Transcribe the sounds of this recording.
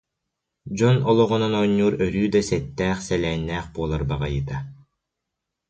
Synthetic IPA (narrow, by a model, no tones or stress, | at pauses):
d͡ʑɔnɔlˠɔʁɔnɔnɔɲːuːɾœɾyːd̪asɛt̪ːæːχsɛlɛːnːæːχbuɔlˠaɾbaʁajɯt̪a